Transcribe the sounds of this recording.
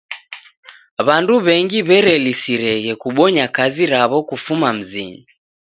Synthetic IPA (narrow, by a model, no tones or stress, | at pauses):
βanduβɛŋɡiβɛɾɛlisiɾɛɣɛkuɓɔɲakaziɾaβɔkufumam̩zḭɲi